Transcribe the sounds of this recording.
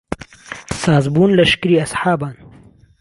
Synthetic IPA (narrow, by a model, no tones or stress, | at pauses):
saːzbuːnlɐʃkɨɾiːɐsħaːbaːn